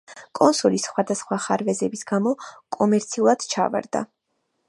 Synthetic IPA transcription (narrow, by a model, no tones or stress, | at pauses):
kʼɔnsɔlisχwad̪asχwaχaɾvɛzɛbisɡamɔkʼɔmɛɾt̪sʰiulˠad̪̥t͡ʃʰa̰va̰ɾd̪a̰